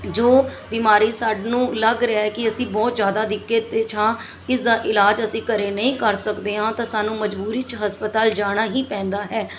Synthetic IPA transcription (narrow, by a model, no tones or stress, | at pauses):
d͡ʒoːbiːmaːɾiːsaːɖnũːləɡɾɪaɦɛːkɪəsĩːbɔːt̪d͡ʒjaːd̪aːd̪ɪkːet̪et͡ʃʰãː | ɪsd̪aːʔɪlaːd͡ʒəsĩːkəɾeːnəɦĩːkəɾsəkd̪eːɦãːt̪ãːsaːnũːməd͡ʒbuːɾiːt͡ʃɦəspət̪aːld͡ʒaːɽ̃aːɦĩːpɛ̃ːnd̪aːɦɛː